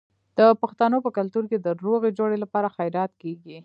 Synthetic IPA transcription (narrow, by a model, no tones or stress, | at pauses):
d̪̥əpaxt̪anopəkalt̪uɾked̪əɾoɣed͡ʒoɽelapɑɾaxajɾɑt̪keɡi